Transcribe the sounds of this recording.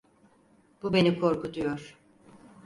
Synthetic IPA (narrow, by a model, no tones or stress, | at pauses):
b̥ube̞nikʰo̞ɾkud̪ujoɾ̥